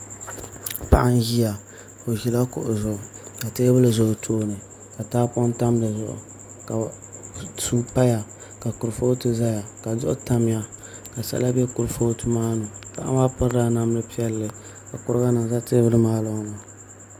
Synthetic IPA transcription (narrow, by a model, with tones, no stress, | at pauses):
pa̰˨ʔa˦nji˦ja˨ | o˨ʒi˨la˦kʊ̰˨ʔʊ˨zʊ˨ka˨teː˦bɨ˦lɨ˨zʊ˨tʰoː˦nɨ˨ | ka˨taː˦pɔ˦nta˦mdɨ˨zʊ˨ʔʊ̰˨ | ka˨ | su˦pa˦ja˨ | ka˨kʊ˨ɾfo˦tɨ˦za˦ja˨ka˨zʊ̰˦ʔʊ̰˦ta˦m˦ja˦ka˨sa̰˦la˦bɛ˦kʊ˨ɾɨ˨foː˦tɨ˦maː˦nʊ˨pa̰˨ʔa̰˦ma˦pɨ˦ɾda˦na˦m˦lɨ˦pi˦ɛ˦lːɨ˦ | ka˨kʊ˦ɾɨ˦ɡa˦nɨ˨ŋza˦teː˦bɨ˦lɨ˦maː˦lo˦ŋ˦na˨